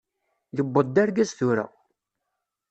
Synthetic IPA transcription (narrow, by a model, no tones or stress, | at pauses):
ðəbːəd̪ːaɾɡæzθuɾæ̰w